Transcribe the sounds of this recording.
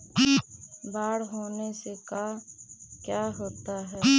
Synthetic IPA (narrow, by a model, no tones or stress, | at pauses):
baːɽɦoːneseka | kjaːɦoːt̪aɦɛː